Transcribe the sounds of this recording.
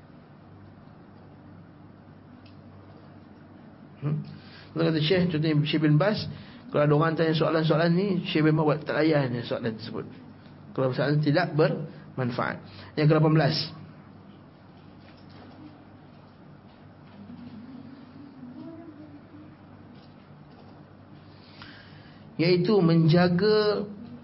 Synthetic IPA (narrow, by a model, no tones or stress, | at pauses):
ənt̪okat̪̬aʃɛht͡ʃɔnt̪̬ɔniʃɛhbɪnbas | kəlaadooɣant̪aɲas̬oa̰lans̬oalanːiʃehbɪnmabat̪t̪ːalajanjaŋsoalant̪əsəbʊ̰t̪̚ | kəlawbəsaalant̪idaʔbərmanfa̰ʔa̰t̪̚jaŋk̬əlap̬anbəlas | jait̪umə̃ɲd͡ʒaɡa